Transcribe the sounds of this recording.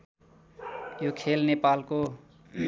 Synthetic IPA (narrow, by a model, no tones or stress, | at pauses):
jokʰelnepalko